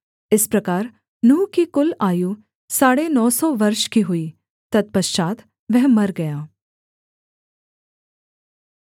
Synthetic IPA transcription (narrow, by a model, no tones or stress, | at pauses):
ɪspɾɐkaːɾ | nuːkikʊlaːju | saːɽenɔːsɔʋɐɾʃkiɦʊiː | t̪ɐd̪̚pɐʃt͡ʃaːt̪ | ʋɛɦmɐɾɡɐjaː